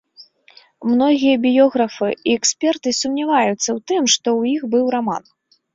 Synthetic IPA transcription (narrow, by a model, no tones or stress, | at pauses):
mnɔɣʲijɐbʲijɔɣɾɐfɨiɛksʲpʲɛrt̪ɨsʲumnʲavajut̪sːɐwt̪ɨmʂt̪ɔwjixbɨwɾama̰n